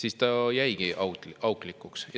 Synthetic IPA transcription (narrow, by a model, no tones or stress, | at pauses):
siːst̪ɑjæjɡ̥iʔɑɑwklikːˑuksjɑ